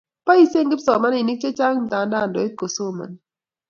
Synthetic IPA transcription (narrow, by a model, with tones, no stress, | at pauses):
pa˦i˦se˦ŋɡɪ˦psɔ˨ma˦nɪ˨ni˦k̚t͡ʃe˦t͡ʃa˦ŋn˨da˨nda˦˨ndɔ˨i˦t̚ko˨so˦˨ma̰˨n